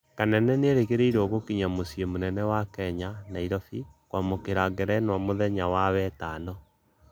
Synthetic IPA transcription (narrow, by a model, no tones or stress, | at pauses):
kanɛnɛneeɾekeɾeiɾɔɣokiɲamosiemonɛnɛwakɛɲanaiɾɔfikwamokeɾaɣɛɾɛnwamoðɛɲawawɛtanɔ